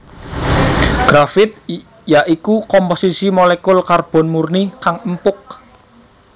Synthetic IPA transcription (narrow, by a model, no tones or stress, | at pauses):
ɡ̥ɾafɪt̪̚ | jaʔikukɔmposisimolekʊlkarb̥ɔ̤nmurnikaŋəmpʊk̚